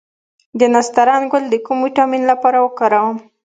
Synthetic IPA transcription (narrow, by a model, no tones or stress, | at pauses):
d̪ənast̪aɾɑnɡʊld̪əkumwiʈɑminlapɑɾawəkɑɾawəm